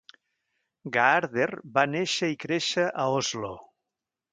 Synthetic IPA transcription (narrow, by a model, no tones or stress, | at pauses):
ɡaaɾðeɾbaneʃəikɾeʃəʔaozlo